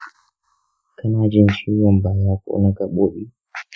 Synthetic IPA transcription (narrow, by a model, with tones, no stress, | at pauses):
ka˦na˦d͡ʒɛ˦˨n̩˨ʃi˦a˨m˨ba˨ja˦kɔ̰˨ṵ˦na˦ka˨ɓo˦ɓi˦